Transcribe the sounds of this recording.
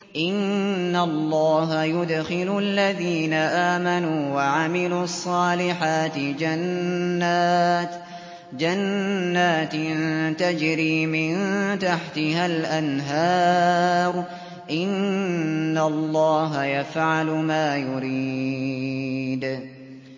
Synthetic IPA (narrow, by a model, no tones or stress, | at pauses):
ʔɪnːalˤːɑːɦajʊd̪xɪlʊlːaðiːnaʔaːmanuːwaʕamɪluːɑsˤːɑːlɪħaːt̪ɪd͡ʒanːa | d͡ʒanːaːt̪nnt̪ad͡ʒɾiːmɪnt̪aħt̪ɪɦalʔanɦɑːɾˤ | ʔɪnː | allˤːɑːɦajafʕalʊmaːjʊɾi | d̪